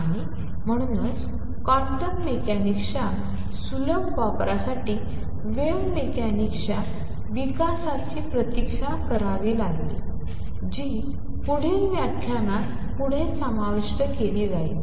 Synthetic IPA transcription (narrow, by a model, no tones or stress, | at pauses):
aɽ̃i | m̤əɽ̃uːnət͡s | kaʈənmekanikʂa | suləmʋapɾasaʈiː | ʋeʋmekanikʂa | ʋikasat͡ɕiːpɾət̪ikʂakəɾaʋiːlaɡlḭ | d͡ʑiː | puɽ̤eʋjakʰːjana | puɽ̤ẽsəmaʋiʂʈəkeliːd͡zai